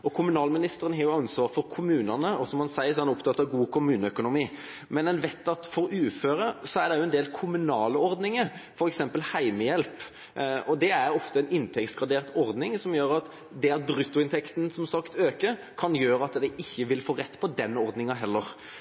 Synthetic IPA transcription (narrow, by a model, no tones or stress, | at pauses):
ɔkʰʊmʉnɑːlmɪnɪst̪əɾənɑːɾjʊɑnsʋɑːʁfɔɾkʰʊmʉːnənəɔsɔmhɑnsæɪəsɔhɑnɾʊpt̪ɑːt̪ːɑʋɡuːkʰʊmʉːnəœkʊnʊmiː | mɛnɛnʋɛt̪ːɑt̪fɔɾʉːføːɾəsɔæɾd̪ɛjʊɛnd̪eːlkʰʊmʉnɑːləɔɾd̪nɪŋəfɔɾɛksɛmpəlhæɪməjɛlp | ɔd̪ɛæɾɔft̪əɛnɪnt̪ʰɛk̚t̪sɡɑd̪eːɾt̪ɔɾd̪nɪŋsɔmjøːɾɑt̪ | d̪ɛɑt̪̚bɾʉt̪ːʊɪnt̪ʰɛkt̪n̩sɔmsɑkt̪øːkəɾ | kʰɑnjøːɾəɑt̪d̪ɛʔɪçːəʋɪlfoːɾɛt̪ːpʰɔd̪ɛnːəɔɾd̪nɪŋɑɦɛlːəɾ